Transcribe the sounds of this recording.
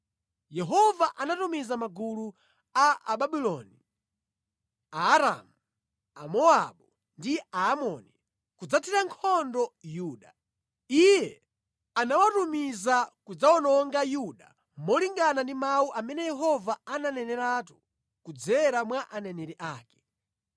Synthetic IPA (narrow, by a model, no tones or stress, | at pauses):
jɛɦɔvaʔanatumizamaɡulu | aʔaɓaɓilɔni | aːɾa̰mu | a̰mɔaɓu | ndiaːmɔni | kud͡zatʰiɾaŋkʰɔndɔjuːɗa | ijɛ | anawatumizakud͡zaɔnɔŋɡajuɗa | mɔliŋɡanandimawuʔamɛnɛjɛɦɔvaananɛnɛɾatu̥ | kud͡zɛɾamwaʔanɛnɛɾiʔaːkɛ̥